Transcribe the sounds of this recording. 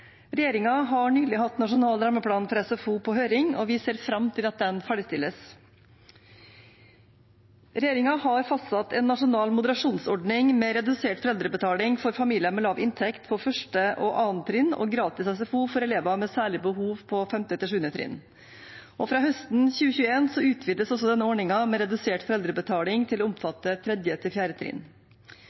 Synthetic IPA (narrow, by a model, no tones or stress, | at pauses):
ɾɛjeːɾɪŋɑɦɑɳyːlɪhɑt̪nɑʂʊnɑːld̪ɾɑːməpʰɽɑːnfɔɾɛsɛfuːpʰɔɦøːɾɪŋɔʋɪseːɾfɾɑmːt̪ʰɪlɑt̪̚d̪ɛnfæːɖɪst̪ɪlːəs | ɾɛjeːɾɪŋɑhɑɾfɑst̪ɑt̪ʰɛnːɑʂʊnɑːlmʊd̪əɾɑʂuːnsɔɖɳɪŋmɛɾɛd̪ʉseːʈfɔɾɛld̪ɾəbət̪ʰɑːlɪŋfɔɾfɑmiːlɪəmɛlɑːʋɪnt̪ʰɛkt̪pʰɔfœʂʈəʔɔʔɑːnt̪ʰɾɪnːɔ̰ːɡɾɑːt̪ɪsɑs̬ɛfuːfɔɾɛleːʋɑmɛːsæːɭɪbəhuːʋpʰɔfɛmt̪ɪt̪ɪlʂ̬ʉːənət̪ʰɾɪ̰n | ʔɔfɾɑːhœst̪nçʉːəçʉːəeːnsɔʉːt̪ʰʋiːd̪əsɔsɔd̪ɛnːəɔːɳɪŋɑmɛːɾɛd̪ʉseːʈfɔɾɛld̪ɾəbət̪ʰɑːlɪŋt̪ʰɪloʊmfɑt̪ːət̪ʰɾɛd̪jət̪ʰɪlfjæːɾət̪ʰɾɪ̰n